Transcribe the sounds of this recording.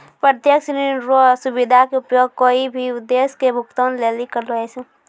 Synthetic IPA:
pɾət̪jəksniɾosʊbid̪ʱakeʊpjoːɡ̚koːibʱiʊd̪eːskebʱʊkt̪onleːlikəɾləese

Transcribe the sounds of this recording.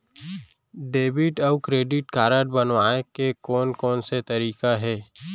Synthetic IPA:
ɖeːbɪʈɔːkɾeːɖɪʈkaːɾəʈbənwaːekekɔːnkɔːnset̪ɐɾiːkaɦɛː

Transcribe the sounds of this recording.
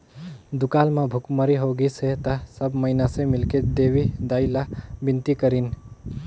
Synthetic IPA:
d̪ukalmãbʱukməɾiɦoɡiset̪əsəbməɪnasẽmɪlked̪eʋid̪ailabint̪ikəɾin

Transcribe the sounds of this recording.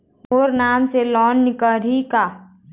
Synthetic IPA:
ɦoːɾnaːmselɔːnːɪkəɾiːkaː

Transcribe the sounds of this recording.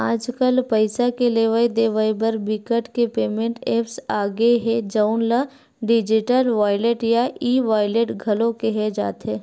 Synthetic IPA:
aːd͡ʒkəlpɐɪsakeleːʋəid̪eːʋəibəɾbɪkəʈkepeːmẽɳʈeːpsaːɡeɦɛd͡ʒaʊnla | ɖɪd͡ʒɪʈəlʋaːɪleʈjaiːʋaːɪleʈɡʱɐlõkeɦɛd͡ʒa̰ːt̪ɦɛː

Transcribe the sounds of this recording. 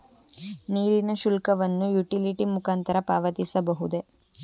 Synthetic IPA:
niːɾinɐʃulkɐʋɐnːujuʈiliʈimukaːnt̪ɐɾɐpaːʋɐt̪isɐbɐɦud̪e̞

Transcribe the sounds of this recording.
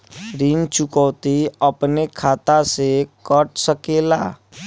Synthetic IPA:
ɾint͡ʃʊkəːt̪iəpnekʰaːt̪asekəʈsəkeːlaː

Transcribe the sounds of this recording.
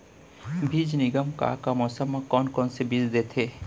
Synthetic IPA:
bʱid͡ʒniɡəmka̰kamɔsəmãkɔːnkɔːnsebid͡ʒd̪et̪ʰe

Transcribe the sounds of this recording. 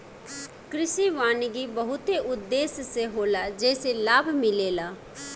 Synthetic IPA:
kɾɪʃiʋaːnɡibəɦʊt̪eʊd̪ːeːsseɦoːlaːd͡ʒɛːselaːbʱmɪleːlaː

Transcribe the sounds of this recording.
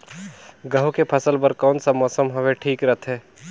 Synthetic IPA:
ɡəɦukepʰəsəlpəɾkɔːnsamɔːsəmɦɐʋeʈʰiːkɾət̪ʰɦɛː

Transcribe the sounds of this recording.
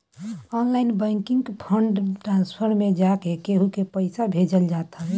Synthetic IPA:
ɔnlaɪnbə̃ɪ̃kɪŋɡpʰəɳɖʈɾãnspʰəɾmed͡ʒakekeɦukepəɪsabʱed͡ʒəld͡ʒat̪a

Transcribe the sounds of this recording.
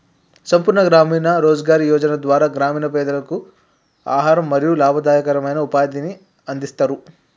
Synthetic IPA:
sɐmpuɾɳɐɡɾaːmiːnɐɾoːd͡ʒɐɡaːɾijɔːd͡ʒɐnɐd̪ʋaːɾaːɡɾaːmiːnɐp̬ɛːd̪ɐlɐku | a̰ːɦaːɾɐmːɐɾijulaːbʱɐd̪aːjɐkɐɾɐmɐjnɐupaːd̪ini | ɐnd̪ist̪aːɾu

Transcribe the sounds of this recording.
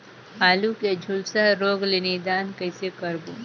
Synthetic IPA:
haːluked͡ʒʱʊlsaɾoːɡleːned̪aːnkəɪsekɐɾbuː

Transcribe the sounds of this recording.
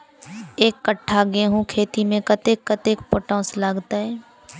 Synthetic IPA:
eːkːəʈʰːaɡeɦũkʰeːt̪imẽkət̪ekːət̪eːkpʊʈõːslaːɡt̪aɦɛː

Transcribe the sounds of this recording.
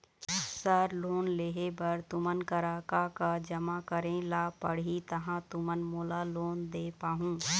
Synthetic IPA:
səɾloːnleːɦebəɾt̪ʊmənkəɾaːkakad͡ʒəmakəɾẽlaːpəɽɦit̪əɦãt̪ʊmənmoːlaloːnd̪eːpaːɦũː

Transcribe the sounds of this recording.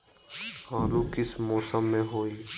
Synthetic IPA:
haːlukɪsmɔːsəmːẽɦoːi

